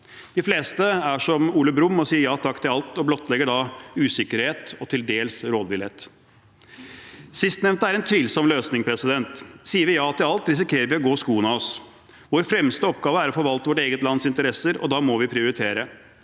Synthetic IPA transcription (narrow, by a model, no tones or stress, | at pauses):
d̪̥ɪfleːst̪əæʂɔmuːləbɾʊmːɔsiːəjɑːt̪ʰɑkːt̪ʰɪlɑlt̪ɔblɔt̪ːlɛɡəɖɑʉːsɪkəɾheːt̪ɔt̪ʰɪld̪eːlsɾoːd̪̚bɪljɛt̪ː | sɪst̪nɛʋnt̪əæɾɛnt̪ʰʋɪlsɔmløːsnɪŋpʰɾɛsɪd̪ɛnt̪siːəɾʋɪjɑːt̪ʰɪlɑlt̪ɾɪs̬ɪkʰeːɾəɾʋɪɔɡoːskuːənɑɔs | ʋoːɾfɾɛmst̪əɔpɡɑːʋəæɾɔfɔɾʋɑlt̪əʋɔʈeːɡət̪lɑnsɪnt̪əɾɛsəɾɔ̰d̪ɑːmɔʋɪpʰɾɪʊɾɪt̪ʰeːɾə